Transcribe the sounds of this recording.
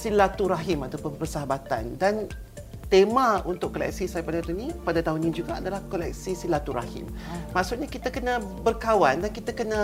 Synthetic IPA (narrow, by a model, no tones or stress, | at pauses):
silat̪uɾaɦimat̪awpʊnpərsəɦabat̪a̰ndan | t̪emãunt̪ʊkːolɛ̰k̚sisajapadat̪unĩpadat̪aɦʊnĩd͡ʒuɡaadalahkolɛ̰k̚sisilat̪uɾa̰hḭmmãʔsuʔ̚ɲakit̪akənãbərkawandankit̪akənã